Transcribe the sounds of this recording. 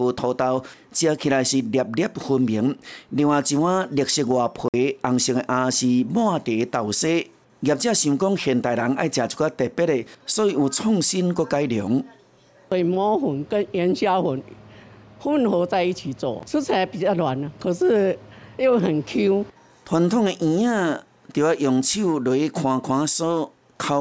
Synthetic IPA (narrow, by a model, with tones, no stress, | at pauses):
bo˧˩t̪ʰɔ˨˧t̪a˧w | t͡ɕja˧kʰi˧la˨jɕi˨˩dja˨˩p̚da˦p̚hu˧nbi˨˦ŋdi˧ŋwa˨˩t͡ɕi˧wã˦djk̚ɕi˧k̚ɡwa˨pʰwe˨˦a˨˩ŋɕŋe˨˧ʔã˧ɕi˨˩mw̃ã˥˧t̪e˨˦t̪a˨wse˦ | ɡja˨˩p̚t͡ɕjã˥˧ɕi˧˨˧kɔ˦ŋhe˨nt̪a˨˩jla˨˦ŋa˥˧jt͡ɕja˨˩t͡sʰu̥˧ka˦t̪ɛ˨˩pe˦˥t̚e˨sɔ˦i˧u˨˧t͡sʰɔ˥˧˨ŋɕi˦nkɔ˦ka˧˦jdjɔ˨˦ŋ | si˨mɔ̃˦hu˨˦nkə˦ŋjɛ˧˦nɕja˦hu˨˦n | hu˥˨nho˨˧˦t͡sa˥˧ɪi˧t͡ɕʰi˨˩t͡sɔ̰˨t͡sʰu˦t͡sʰa˧bi˨t͡ɕa˥˧˩lwa˨˦na˨kʰo˨˩s̩˥˧jo˦˧ɦə˨˩nkʰu˦ | t̪ʰwa˧nt̪ʰɔ˥˨ŋe˧ʔĩ˧ã˥˧˨ | t̪ju˨˩a˧˩ʔjɔ˨ŋt͡ɕʰi˥˧˨lo˨˩˦e˦kʰw̃ã˧kʰw̃ã˧˦sɔ˦ | kʰa˧